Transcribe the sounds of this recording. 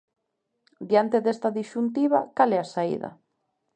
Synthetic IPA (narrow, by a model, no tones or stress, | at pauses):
d̪jant̪eðest̪ɐðiʃunt̪̬iβa̰kalɛasaḭðɐ̰